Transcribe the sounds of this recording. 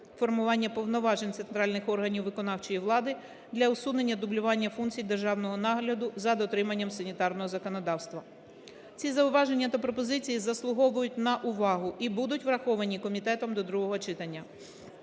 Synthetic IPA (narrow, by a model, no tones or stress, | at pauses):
fɔrmʊʋɑnʲːɐpɔwnɔʋɑʒenʲt̪se̞nt̪ɾɑlʲnɪxɔrɦɐnʲiwʋɪkɔnɑwt͡ʃɔjiʋlˠɑd̪ɪ | d̪lʲɐʊsud̪ne̞nʲːɐd̪ʊblʲʊʋɑnʲːɐfunkt͡sʲijd̪erʒɑwnɔɦɔnɑɦlʲɐd̪ʊzɐd̪ɔt̪ɾɪmɐnʲːɐmsɐnʲit̪ɑrnɔɦɔzɐkɔnɔd̪ɑwst̪ʋɐ | t͡sʲizɐʊʋɑʒe̞nʲːɐt̪ɐpɾɔpɔzɪt͡sʲijizɐslˠʊɦɔʋʊjʊt̚ʲnɐʔʊʋɑɦʊʔibud̪ʊtʲʋɾɐxɔʋɐnʲikɔmʲit̪ɛt̪ɔmd̪ɔd̪ɾuɦɔɦɔt͡ʃɪt̪ɐnʲːɐ